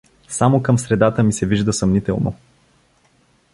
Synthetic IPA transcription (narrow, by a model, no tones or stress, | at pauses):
samokəmsɾɛd̪at̪əmisɛviʒd̪əsɐmnit̪ɛlˠno̰